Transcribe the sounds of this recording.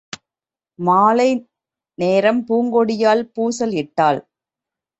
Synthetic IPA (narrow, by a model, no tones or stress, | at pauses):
maːlɐɪ | neːɾɐmpuːŋɡɔɽɪjaːlpuːsɐlɪʈːaːl